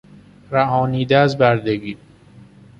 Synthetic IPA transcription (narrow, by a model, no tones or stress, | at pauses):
ɾæhɒːniːd̪ææzbæɾd̪eɡiː